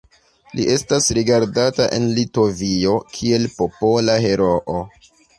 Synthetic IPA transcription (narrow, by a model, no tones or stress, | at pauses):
lḭʔe̞stasɾiɡaɾdataʔḛnlito̞vio̞kʰie̞lpo̞po̞laɦe̞ɾo̞ʔo